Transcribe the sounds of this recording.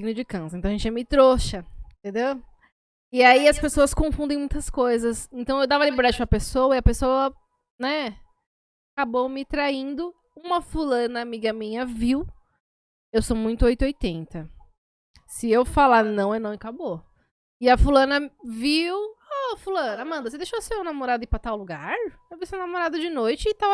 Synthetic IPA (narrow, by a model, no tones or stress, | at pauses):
iɡinʊd͡ʒɪkɐ̃sɐẽt̪ɐ̃ɐẽt͡ʃɪʒɛmɪt̪ɾoʃɐ̃t̪ẽnd̪ew | ɪaiɐspesoɐskõfũnd̪ẽj̃mũj̃t̪ɐskojzɐsẽnt̪ɐ̃w̃ewd̪avɐalibeɾd̪ad͡ʒʊpɾɐpesowɐiɐpesowɐ | nɛ | akabomɪt̪ɾaĩnd̪ʊ | ũmɐfulɐ̃nɐːmiɡɐmĩɲɐviw | ewsomũj̃t̪ʊojt̪ojt̪ẽnt̪ɐ | sɪewfalanɐ̃w̃ewnɐ̃w̃ɪkabo | ɪɐfulɐ̃nɐviwɔfulɐ̃nɐmɐ̃nd̪ɐsed̪ejʃosemenamoɾad̪ɐɪpɾɐt̪awluɡaɾewvisenamoɾad̪ɐd͡ʒɪnojt͡ʃɪːt̪avɐ